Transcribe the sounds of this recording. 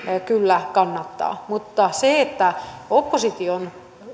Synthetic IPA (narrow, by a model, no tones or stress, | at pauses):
kylːækɑnːɑt̪ːɑ̰ːmut̪ːɑseet̪ːæopːosit̪ion